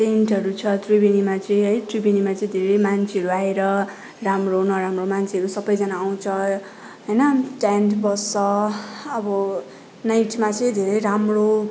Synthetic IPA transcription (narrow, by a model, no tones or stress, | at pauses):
tenʈɦʌɾut͡sʰʌt̪ribinimat͡sʌĩɦʌjt̪rubinimat͡sʌĩd̪ʱeɾʌjmant͡sʰeʌɾuaeɾʌ | ramronʌɾamromant͡sʰeʌɾusʌbʌjd͡zʌnaːw̃t͡sʰʌ | ɦʌjnʌʈanʈbʌsʌʌbʌ | najʈmat͡sʌĩd̪ʱeɾʌjɾamro